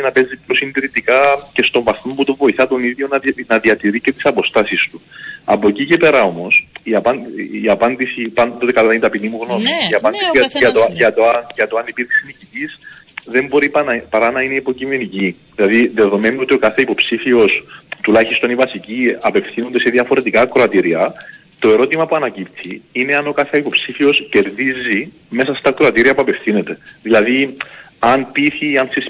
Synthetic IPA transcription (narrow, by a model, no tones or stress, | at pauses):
inɐpe̞zːipo̞sind̪iɾit̪ikɐce̞st̪o̞ɱvɐθmoput̪ovo̞iθɐt̪o̞niðjo̞nɐnɐðiɐt̪iɾice̞t̪i̥sɐpo̞st̪ɐsist̪uɐ̰po̞ecicepe̞ɾɐo̞mo̞siɐpɐniɐpɐnd̪isipɐnpot̪ekɐlɐinit̪ɐpinimuɣno̞miiɐpɐnd̪isiɐɐt̪ojɐt̪oɐnʝɐt̪oɐnipiɾksinicit̪isðe̞mbo̞ɾipɐnɐpɐɾɐnɐineipo̞cime̞niciðilɐðiðe̞ðo̞me̞nuo̞t̪io̞kɐθeipo̞psifio̞st̪ulɐçist̪o̞nivɐsiciɐpe̞fθino̞nd̪eseðiɐfo̞ɾe̞t̪ikɐkɾo̞ɐt̪iɾiɐ | t̪o̞e̞ɾo̞t̪imɐpuɐnɐcipt̪ʰiine̞ɐno̞kɐθeɐipo̞psifio̞sce̞ɾðizi | me̞sɐst̪ɐkɾo̞ɐt̪iɾiɐpuɐpe̞fθine̞t̪e̞ðilɐði | ɐnpiθiɐnsis